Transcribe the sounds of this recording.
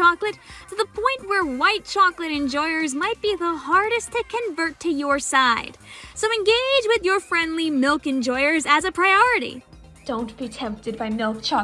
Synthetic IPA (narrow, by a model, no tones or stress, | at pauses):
ɑklɨttʰɨðəpʰɔ̃ɪ̃nʔ̚wə˞waɪt̚t͡ʃʰɑklɨɾɨ̃nd͡ʒɔɪə˞zmaɪt̚b̥iðəɦɑɹɾɨstʰɨkʰɨ̃ɱvɜ˞tʰɨjə˞saɪd̥soʊɨ̃nɡeɪd͡ʒwɪðjə˞fɹɛ̃ndˡlimɪlˠkɨ̃nd͡ʒɔɪə˞zɨzɨpʰɹ̥aɪɔɹɨɾḭ | d̥õʊ̃nb̥itʰɛ̃mp̚tɨd̚baɪmɪlˠk̚t͡ʃʰɑ